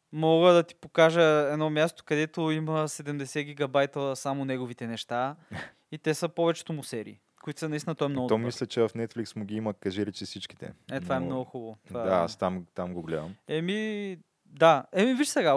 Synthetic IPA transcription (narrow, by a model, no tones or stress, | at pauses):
mɔɡəd̪ɐt̪i̥pokaʒəɛd̪nɔmjast̪o̥kɐd̪ɛt̪oimɐsɛd̪ɛmd̪ɛsɛɡ̟iɡɐbajt̪əsamonɛɡovit̪ɛnɛʃt̪a | it̪ɛsəpɔvɛt͡ʃɛ̥t̪ʊmʊsɛɾḭ | koit̪sɐnɐisinət̪ɔɛmnɔɡʊdt̪ɔmislʲət͡ʃɛvɐfnɛt̪flʲiksmʊɡʲiiməkɐʒiɾɛt͡ʃisit͡ʃki̥t̪ɛ̰ɛt̪ovaɛmnɔɡʊxubət̪vad̪aa̰st̪amt̪amɡoɡlɛd̪əmɛmi | d̪aɛmivit͡ʃsɛɡa